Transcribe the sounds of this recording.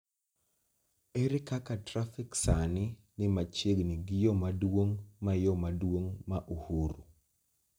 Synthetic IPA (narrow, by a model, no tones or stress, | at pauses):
eɾɪkakatɾafiksanɪ | nɪmat͡ʃeɡnɪɡɪjɔmadwoŋmajɔmadwoŋmaʔuhuɾu